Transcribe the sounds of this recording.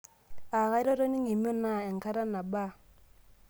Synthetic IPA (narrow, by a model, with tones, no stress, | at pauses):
a˨ka˦i˦ɾo˦ɾo˦ni˦ŋi˨m˦o˦na˦˨ɛ˨ŋ˨ka˦ɾa˦na˨ba˦